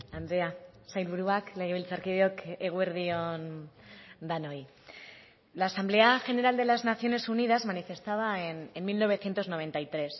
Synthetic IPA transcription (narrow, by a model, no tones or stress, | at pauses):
and̪ɾea | sajlβuɾuakleɣeβilt͡saɾkiðjokeɣ̞weɾðion | d̪anoj | laːsamble̞axe̞ne̞ɾald̪e̞laznaθjo̞ne̞sunið̞azmanife̞st̪aβ̞aenenmilno̞β̞e̞θje̞nt̪o̞zno̞β̞e̞nt̪ajt̪ɾe̞s